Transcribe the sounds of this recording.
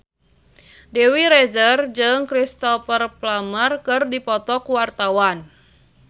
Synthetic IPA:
dɛwiɾɛzərd͡ʒɨŋkɾist̪ɔfərplamərkɨrdipɔt̪ɔkuwart̪awan

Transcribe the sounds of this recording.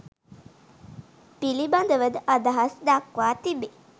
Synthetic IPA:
piliband̪əʋəd̪əʔɐd̪aɦɐsd̪akʋaːt̪ibe

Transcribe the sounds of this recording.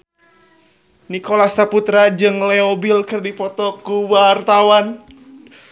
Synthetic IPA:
nikolasaput̪ɾad͡ʒɨŋleɛobilkɨrdipɔt̪ɔkuwart̪awan

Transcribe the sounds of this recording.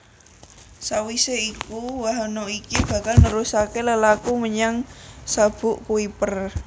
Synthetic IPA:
sawiseikuwaɦanoikib̥a̤kalnəɾusakeləlakuməɲaŋsab̥ʊʔkuipər

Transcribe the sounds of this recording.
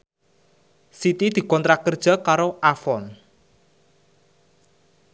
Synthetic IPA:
sit̪id̪̥i̤kɔnt̪ɾakərd̥ʒ̥a̤kaɾoʔafɔn

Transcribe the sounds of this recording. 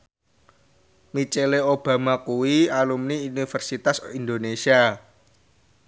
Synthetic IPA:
mit͡ʃeleob̥ä̤makuwialumniunifərsit̪asind̪onesia

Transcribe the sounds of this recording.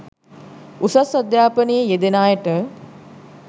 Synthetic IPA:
usɐsɐd̪jaːpənijejed̪enaːjəʈə

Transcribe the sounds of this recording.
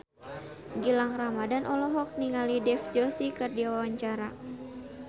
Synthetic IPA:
ɡilaŋramadanʔɔlɔɦɔk̚niŋalidɛfd͡ʒɔsikɨrdiawawaɲt͡ʃaɾa

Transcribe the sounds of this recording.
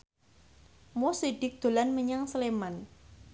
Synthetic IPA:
mosiɖ̥ɪk̚d̪̥o̤lanməɲaŋsəleman

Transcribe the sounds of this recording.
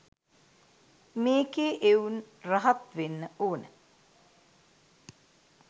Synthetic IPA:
meːkeʔeun | raɦɐt̪ʋenːəoːnə̰

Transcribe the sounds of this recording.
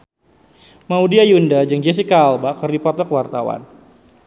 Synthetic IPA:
maudiajundad͡ʒəŋd͡ʒes̬ikaːlbakərdipɔt̪ɔkwart̪awa̰n

